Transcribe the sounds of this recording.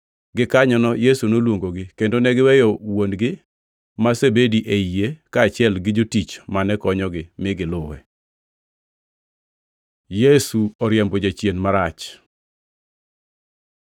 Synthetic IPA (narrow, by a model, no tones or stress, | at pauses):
ɡɪkaɲɔnɔjesunolwoŋɡoɡɪkendonɛɡɪwɛjɔwonɡɪ | masebediʔeijekaːt͡ʃɪɛlɡɪd͡ʒotit͡ʃmanɛkɔɲɔɡɪmɪɡɪlʊwɛ̰ | jesuɔɾjɛmbɔd͡ʒat͡ʃjenmaɾat͡ʃ